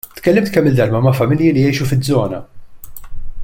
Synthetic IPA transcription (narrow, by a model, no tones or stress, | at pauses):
t̪kɛlːɪmt̪kɛmːɪld̪ɐlmɐmɐfɐmɪljilijɛjʃufɪd͡zːɔːnɐ̰